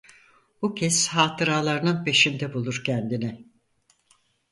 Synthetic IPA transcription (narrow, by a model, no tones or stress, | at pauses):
bucʰɛshaːt̪ʰɯɾaːlˠaɾɯnɯnpe̞ʃind̪ɛbulˠuɾcʰɛnd̪inɛ